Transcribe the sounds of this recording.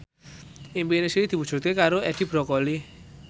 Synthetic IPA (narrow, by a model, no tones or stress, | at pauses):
ʔimbinesiid̪̥i̤budd͡ʒ̥ṳt̪kekaɾoʔɛɖ̥i̤b̥ɾɔkɔli